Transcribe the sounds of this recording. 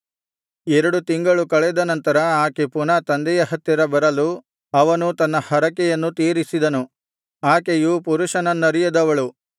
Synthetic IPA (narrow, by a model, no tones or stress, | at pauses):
ɛɾɐɽut̪iŋɡɐɭukɐɭɛd̪ɐnɐnt̪ɐɾɐaːkepunɐt̪ɐnd̪ɛjɐhɐt̪ːiɾɐbɐɾɐlu | ɐʋɐnut̪ɐnːɐhɐɾɐkɛjɐnːut̪iːɾisid̪ɐnu | aːkejupuɾuʃɐnɐnːɐɾijɐd̪ɐʋɐɭu